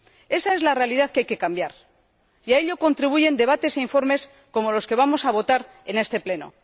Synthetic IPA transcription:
e̞sae̞zlare̞aliðaθkeajke̞kambjaɾ | iaeʎo̞ko̞nt̪ɾiβuʝe̞nd̪e̞β̞at̪e̞se̞iɱfo̞ɾme̞s | ko̞mo̞lo̞ske̞βamo̞saβ̞o̞t̪aɾ | e̞ne̞st̪e̞ple̞no̞̰

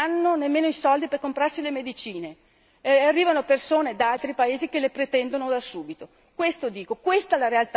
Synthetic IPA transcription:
anːonemːeːnoisɔld̪iperkompɾarsilemed̪it͡ʃiːne | arːiːvanopersoːned̪alt̪ɾipaeːzikelːepɾet̪ɛnd̪onod̪asuːbit̪o | kwest̪od̪iːkokwest̪alaɾealt̪

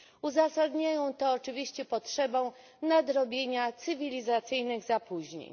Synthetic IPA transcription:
uzasad̪ɲajɔ̃w̃t̪ɔːt͡ʂɘvʲiɕt͡ɕɛpɔtʂɛbɔ̃w̃ | nad̪ɾɔbʲjeɲat̪sɘvʲilʲizat̪sɘjnɘɣzapuʑɲḛɲ

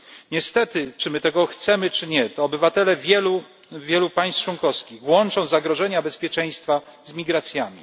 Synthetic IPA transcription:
ɲɛst̪ɛt̪ɘt͡ʂɘmɘt̪ɛɡɔxt̪sɛmɘt͡ʂɘɲɛt̪ɔːbɘvat̪ɛlɛvʲɛlu | vʲjɛlupaj̃st͡ʂwɔŋkɔfskʲiɣvwɔnt͡ʂɔ̃w̃zaɡɾɔʐɛɲabɛspʲjɛt͡ʂɛj̃st̪fa | zmʲiɡɾat̪sʲjamʲḭ

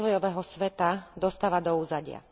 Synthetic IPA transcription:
zʋɔjɔʋɛːɦɔsʋɛt̪ad̪ɔst̪aːʋad̪ɔuːzaɟɪa̰

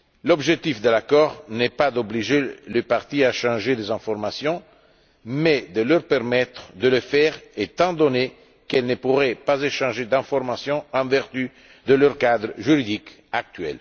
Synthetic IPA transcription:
lobʒek̚t̪ifd̪elakɔʁnɛpad̪obliʒeləpaʁt̪iaʃɑ̃ʒed̪ezɛ̃ɱfoɾmasjɔ̃ | mɛd̪əløɾpɛrmɛt̪ɾd̪ələfɛʁet̪ɑ̃d̪one | kɛlnəpuʁɛpazeʃɑ̃ʒed̪ɛ̃foɾmasjɔ̃ɑ̃vɛʁt̪y | d̪əløɾkad̪ɾəʒyɾid̪ik | ak̚t̪ɥɛ̰l

